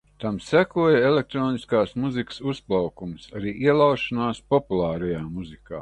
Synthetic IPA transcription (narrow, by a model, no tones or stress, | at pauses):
t̪amsækuɔjaelʲek̚t̪ɾoːniskaːsmuzikə̥susplˠawkumsaɾiːiɛlˠɑwʃanaːspɔpulˠɑːɾajaːmuzika̰ː